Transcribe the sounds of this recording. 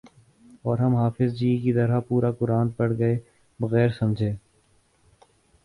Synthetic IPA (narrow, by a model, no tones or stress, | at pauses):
ɔːɾɦɐmɦaːfɪzd͡ʒiːkid̪ɐɾapuːɾakʊɾãːnt̪̚pɐɽɡɐeː | bɐɣɛːɾsɐ̃md͡ʒʱẽː